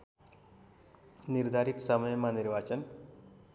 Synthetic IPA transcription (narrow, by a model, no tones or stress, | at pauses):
niɾd̪ʱaɾit̪səməjmaniɾʋat͡ɕən